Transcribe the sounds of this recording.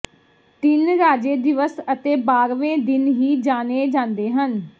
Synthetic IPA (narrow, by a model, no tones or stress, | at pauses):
t̪ɪnɾaːd͡ʒeːd̪ɪʋəsət̪eːbaːɾʋẽːd̪ɪnɦiːd͡ʒaːneːd͡ʒãːnd̪eːɦən